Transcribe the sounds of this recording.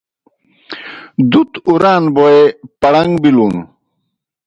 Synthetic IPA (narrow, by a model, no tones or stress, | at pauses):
d̪ut̪uɾaːnboepɐɽɐŋɡbiluːn